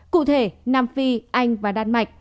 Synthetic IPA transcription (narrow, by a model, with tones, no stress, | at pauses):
kṵ˧˨t̪ʰe˧˩naː˧mfi˧ʔa˧jŋ̟vaː˨˩ɗaː˧n̚ma˨˩jk̟̚